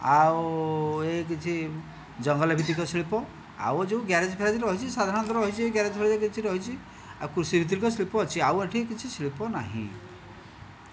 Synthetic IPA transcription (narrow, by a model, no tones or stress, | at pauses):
a̰ | ek̬it͡ʃʰi | d͡ʒɔŋɡɔlabʱit̪ikɔsɭipɔ | a̰wd͡ʒeũɡjaɾed͡ʒpʰeɾad͡ʒ̪iɾɾɔɦit͡ʃʰisad̪ʱaɾɔ̃ɔt̪ɔɾɔɔɦit͡ʃʰieɡjaɾed͡ʒɔpʰeɭad͡ʒikit͡ʃʰiɾɔɦit͡ʃʰi | akuɾusibʱit̪̬ikɔsɭipɔːt͡ʃʰiaweʈʰikit͡ʃʰisɭipɔna̰ɦḭ̃